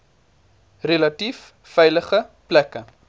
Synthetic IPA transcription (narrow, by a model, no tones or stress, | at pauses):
relɐtif | fɛjləχəplækə